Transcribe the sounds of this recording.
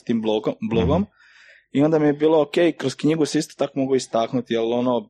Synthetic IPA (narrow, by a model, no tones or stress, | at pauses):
t̪iːmboblˠoɡom | io̞nd̪amijebiːlˠookejkɾoskɲiɡusist̪ot̪akomoɡuist̪aːknut̪ijelo̞no